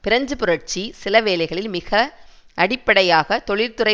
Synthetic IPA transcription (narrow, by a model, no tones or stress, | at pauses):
pɪɾɐɲd͡ʒɯpɯɾɐʈ̚t͡ʃisɪlɐʋeːlɐɪɣɐɭɪlmɪɣɐ | ʔɐɽɪpːɐɽɐjaːɣɐt̪ɔɭɪɾt̪ɯɾɐɪ